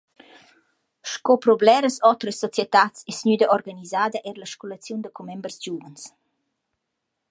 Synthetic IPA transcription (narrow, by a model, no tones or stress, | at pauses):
ʃkopɾɔblɛɾəsɔt̪ɾəsːɔt͡sjɛt̪at͡sesɲyd̪əʔɔrɡanizaːd̪əʔɛɾləʃkolət͡sjund̪əkomɛmbərsd͡ʒuvəns